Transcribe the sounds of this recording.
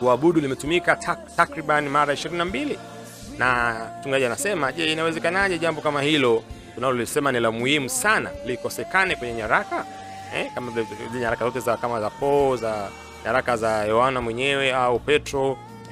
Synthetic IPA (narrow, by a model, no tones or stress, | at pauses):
kuaɓuɗulimɛtumikatʰatakɾiɓanimaɾaiʃiɾininambili | namtuŋɡaʄianasɛmaʄɛinawɛzɛkanaʄɛʄambɔkamahilɔ | tunalɔiisɛmanilamuhimusana̰likɔsɛkanɛkwɛɲɛɲaɾaka | ɛkamaɲahaɾakazɔtɛzakamazapɔza | ɲaɾakazajɔhanamwɛɲɛwɛaupɛtɾɔ